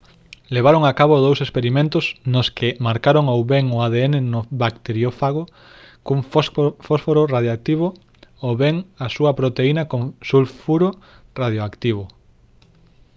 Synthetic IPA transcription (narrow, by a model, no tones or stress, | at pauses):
leβaɾoŋakaβoðowsespeɾimẽnt̪osnʊskɪmaɾkaɾoŋowβeŋʊaðeenenoβakt̪eɾjofaɣ̞o | kuŋfosfoɾoraðjoak̚t̪iβ̞o | oβeŋasuɐpɾot̪einakoŋsulfuɾo | rað̞joakt̪iβ̞o